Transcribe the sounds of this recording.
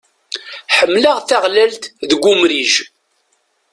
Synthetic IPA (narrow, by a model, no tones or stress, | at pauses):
ħəmːləʁθaʁlælt̪ðɡʷʊmɾiʒ